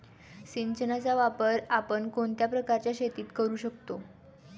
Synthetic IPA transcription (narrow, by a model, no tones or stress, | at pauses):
ɕiɲt͡ɕənat͡saʋapəɾapəɳkoɳt̪japɾəkaɾt͡ɕjaɕet̪iːt̪kəɾuːɕəkt̪o